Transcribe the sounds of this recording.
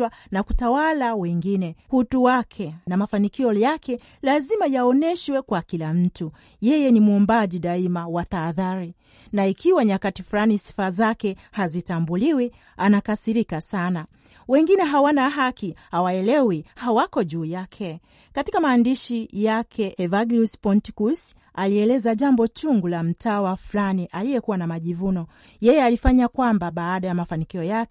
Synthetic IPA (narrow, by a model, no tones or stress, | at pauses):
wanakutawalawɛŋɡinɛhutuwakʰɛnamafanikiɔjakɛ | lazimajaɔnɛʃwɛkwakilam̩tu | jɛjɛnimuɔmbaʄiɗaimawataːðaɾi | naikiwaɲakatifulanisi̥fazakɛhazitambuliwi | anakasiɾikasana | wɛŋɡinɛɦawanaɦakihawaɛlɛwihawakɔʄuːjakʰɛ | katikamaːndiʃijakʰɛʔɛvaɡluspɔntikus | aliɛlɛzaʄambɔt͡ʃuŋɡulam̩tawafulaniʔalijɛkuwanamaʄivunɔ | jɛjɛalifaɲakwambaɓaːɗajamafanikiɔjakɛ